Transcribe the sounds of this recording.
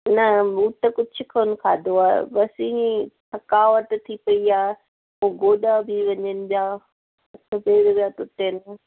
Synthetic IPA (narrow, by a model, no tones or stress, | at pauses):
nɐmuːt̪ːɐkʊd͡ʑʰʱʊkʰənʊkʰaːd̪oaːɦḛbɐsĩiʈʰɐkaːʋət̪t̪ʰipɐiaːe | oːɡoːɗabʱɪʋɐɲənɪ̆bjaː | ɐtʰɐbeːɽbjat̪ʊʈ̪enɪ